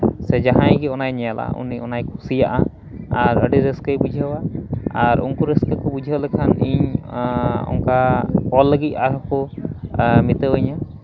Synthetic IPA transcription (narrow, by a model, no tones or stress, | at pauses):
sɛd͡ʒaɦãjɡɛɔnajnɛjalʔa̰ṵniɔnajkʰusija̰ʔa | aɾəɖiɾeskəjbud͡ʒʱawaaɾṵŋkuɾɛskəkɔbud͡ʒʱawlɛkʰaniɲ | ɔ̰ŋkaɔlːəɡit̪̚ˀaɾakɔ | mit̪əwəɲa